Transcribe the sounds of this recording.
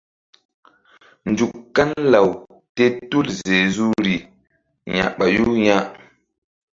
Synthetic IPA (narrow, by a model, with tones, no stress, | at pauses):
n˨d͡ʒu˨kːa˦nla˨w | te˦tu˦lze˨zu˦ɾi˨ | ɲa̰˨ʔɓa˨ju˦ɲa˦ʔ